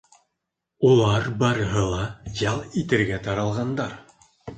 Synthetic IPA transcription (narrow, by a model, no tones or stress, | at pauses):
ulˠɑɾbɑɾɤ̆ɦɤlˠɑjɑlˠit̪ɘ̆ɾɡæt̪ɑɾɑlˠʁɑnd̪ɑɾ